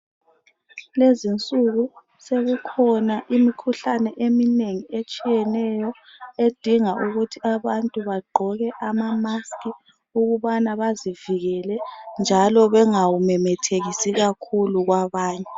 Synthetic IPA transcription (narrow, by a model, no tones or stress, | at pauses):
lezint͡sʼuɣu | seɣukʰɔnaʔimikʰuɬanɛʔemineŋiet͡ʃʼijɛnɛjɔed̥ʱiŋaʔuɣutʰiaβantʼuβaɡ͡ǃʱɔɣɛʔamamaskʼi | uɣuβanaβaziviɣɛlɛnd͡ʒʱalɔβɛŋawumɛmɛtʰeɣisiɣakʰuluɣwaβaːɲɛ